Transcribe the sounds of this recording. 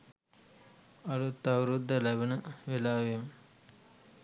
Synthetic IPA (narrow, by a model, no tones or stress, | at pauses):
ɐlut̪ːaʋɾud̪ːəlæbənəʋelaːʋem